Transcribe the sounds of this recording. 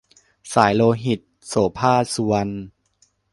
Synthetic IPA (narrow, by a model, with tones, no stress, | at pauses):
saː˩˦jloː˧ɦi˨˩t̪̚soː˩˦pʰaː˥˩su˧wa˧n